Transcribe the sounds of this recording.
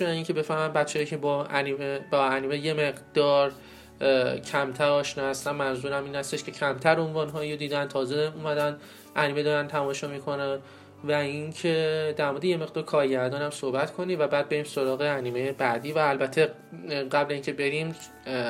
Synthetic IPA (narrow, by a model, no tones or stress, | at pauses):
ʃiːncʰe̞be̞fæhmæmbæt̪t͡ʃʰejicʰe̞b | bɒæniːmeje̞meʁd̪̥ɒːɾ | cʰæmt̪ʰæɾɒːʃnɒːhæst̪ænmænzuːɾæmiːnhæst̪e̞ʃkʰe̞cʰæmt̪ʰæɾo̞nvɒːnɦɒːjod̪iːd̪ænt̪ʰɒːzeuːmæd̪æn | ʔæniːmed̪ɒːɾænt̪ʰæmɒːʃɒːmiːkʰo̞næn | væiŋcʰed̪æɾmɒːd̪ejeme̞ʁd̪ɒːɾkʰɒːɾɟæɾd̪ɒːnæmsohbæt̪kʰo̞niːvæbæːd̪̚be̞ɾiːmso̞ɾɒːɣeæniːme̞jebæd̪iːvæːlbæt̪ʰe̞ | ɢæblezincʰe̞be̞ɾim